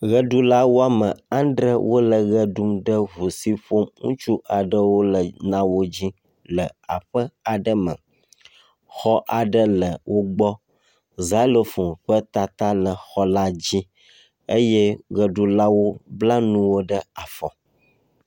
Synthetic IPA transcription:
ɣə˦ɖu˦la˦wo˦a˦mə̃˨ã˦nd̪ɾə˦wo˦lə˨ɣə˦ɖu˦mɖə˦βu˨si˦ɸo˦mŋṵ̃˦t͡ʃu˦ʔa˨ɖə˦wo˦lə˨nã˦wo˦d͡ʑi˦ | lə˨a̰˨ɸə˦a˨ɖə˦mə̰̃˨ | xɔ˦ʔa˨ɖə˦lə˨wo˦ɡ͡bɔ˦ | za˨˦lo˨fu˨mɸə˦t̪a˨t̪a˦lə˨xɔ˦la˦d͡ʑi˦ | ə˦jɛ˦ɣə˨ɖu˨la˦wo˦bla˦nũ˦wo˦ɖə˦a˨fɔ˨

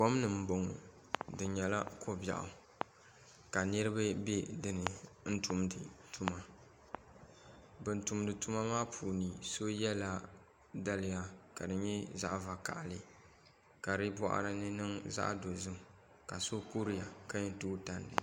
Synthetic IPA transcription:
kɔ˦m˦nɨ˨m̩˦bo˨ŋ˨ | dɨ˨ɲɛ˨la̰˦ko˦bja̰˨ʔʊ̰˨ | ka˨nɨ˦ɾɨ˦ba˦bɛ˦dɨ˨nɨ˨n̩˦tu˦mdɨ˨tu˦ma˨ | bɨ˨n̩˨tu˨mdɨ˨tu˦ma˦maː˦pʰuː˨ni˨so˦jɛ˦la˦ | da˦lɪ˨ja˨ka˨dɨ˨ɲɛ˦za˦ʔva˨ka̰˨ʔlɨ˨ | ka˨ɾɨ˦bɔ˦ʔa̰˨ɾɨ˨nɨ˦nɨ˦ŋza̰˦ʔdo˨zɨ˦m˨ | ka˨so˦ku˦ɾi˦ja˨ka˦ɲɛ˦tuː˦ta˨ndɨ̰˨

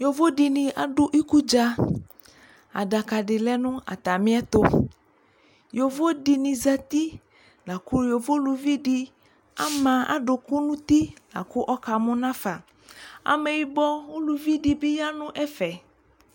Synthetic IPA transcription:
jo˨vo˦di˨nɪ̃˨a˨ɖʊ˦ʔi˦ku˦d͡ʒa˦ | a̰˨da˨ka˨ɖɪ˨lɛ˦nʊ̃˦a̰˨t̪a˨mɪ̃˦ɛ˦t̪o˦ | jo˨vo˦di˨nĩ˨za˦t̪i˦ | la˨ku˦jo˨vo˦lu˨vi˦di˦ | a˦mã˨a̰˨ɖʊ˨ku˦nũ˦t̪i˦la̰˨kʊ˦ʔɔ˦ka˨mʊ̃˦nã˦fa˨ | a̰˨mɛ˨ji˨bɔ˦o˦lu˨vi˦di˨bɪ˦ja˦nʊ̃˦ʔɛ˦fɛ˨

